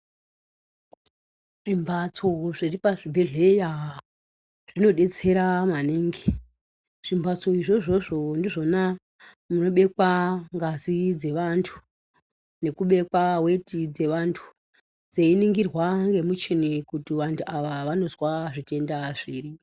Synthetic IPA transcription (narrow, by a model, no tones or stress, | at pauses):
ʐ̥imbʱat͡soʐiripaʐibʱe̞ɮe̞jaɦa | ʐ̥ino̞ɗe̞t͡se̞ɾamaneːŋɡe | ʐ̥imbʱat͡so̞iʐo̞ʐo̞ʐo̞ndiʐo̞na | muno̞ɓe̞kwaŋɡazid͡ze̞ʋantʰu̥ | ne̞kuɓe̞kwawetʰid͡ze̞ʋantʰu̥ | d͡zeiniŋɡirwaŋɡe̞mut͡ʃenekutiʋantʰuaʋaʋano̞zwaʐite̞ndaʐiːri